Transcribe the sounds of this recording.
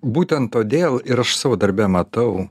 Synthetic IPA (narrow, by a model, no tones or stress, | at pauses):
buːt̪ʲɛnt̪tːoːd̪ʲeːlˠɪɾɐʃsɑːʋoːd̪ɐɾʲbʲɛmɐt̪ɐʊ